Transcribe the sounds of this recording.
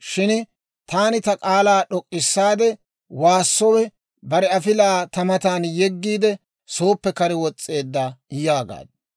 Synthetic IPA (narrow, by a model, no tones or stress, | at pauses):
ʃɪn | t̪aːnɪt̪ɐkʼaːlaːɗɔkʼːɪsːaːd̪ɛ | waːsːɔwɛ | bɐɾɛɐfɪlaːt̪ɐmɐt̪aːnjɛɡːiːd̪ɛ | so̞ːpːɛkɐɾɪwɔt͡sʼːe̞ːd̪ːajaːɡa̰ːd̪